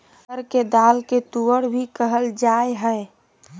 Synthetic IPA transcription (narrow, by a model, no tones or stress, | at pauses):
əɾked̪aːlket̪uəɽbʱikəɦəld͡ʒaːeɦɛe